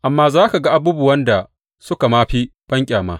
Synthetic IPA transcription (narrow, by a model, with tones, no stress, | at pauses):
ʔa˨mːaː˦zaː˦ka˨ɡa˦ʔa˨buː˦bʊ˨wɐ˦nda˨ | sʊ˦ka˨maː˦ɸiː˦ɸɐ˦ŋkʲʼaː˨ma̰ː˦